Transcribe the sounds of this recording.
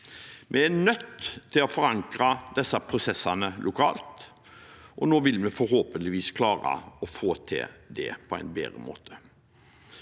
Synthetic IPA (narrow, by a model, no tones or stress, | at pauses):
mʔɛænœt̪ʰːɪlɔfɔɾɑŋkɾɑd̪̥ɛsːɑpʰɾʊsɛsːɑnəlʔʊkʰɑ̰ːlt̪ | ʔɔnoːʋɪlmɛfɔɾɦoːpənɪʋiːskʰlɑːɾə̰ɔfoːt̪ʰɪ̰d̪ɛ̰pʰɔæ̰ɪnbḛːɾəmo̰ːt̪ʰə̥